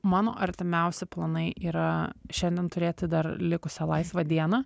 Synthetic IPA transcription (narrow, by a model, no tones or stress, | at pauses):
mɑːno̰ːʔɐɾʲt̪ʲɪmʲɛʊsʲɪplˠɐnɐɪʔiːɾɐʃʲɛnd̪ʲɛnt̪ʊɾʲeːt̪ʲɪd̪ɐrlʲɪkʊsʲɛlˠɐɪsʋɐd̪ʲiɛnɐ